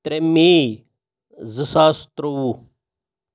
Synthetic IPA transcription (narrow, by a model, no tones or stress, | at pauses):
t̪ɾeme | zɨsaːst̪ɾowu